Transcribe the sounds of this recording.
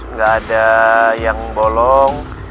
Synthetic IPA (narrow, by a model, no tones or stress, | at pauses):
ŋɡaːdajaŋbolɔŋ